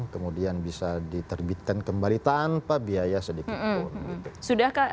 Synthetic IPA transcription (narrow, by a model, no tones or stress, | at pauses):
kəmudianbisadit̪ərbit̪̚kankəmbalit̪anpabiajasədikiunɡit̪usudahka